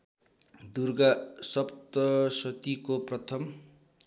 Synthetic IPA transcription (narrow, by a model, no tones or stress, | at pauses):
d̪urɡasʌpt̪ʌsʌt̪ikoprʌt̪ʰʌm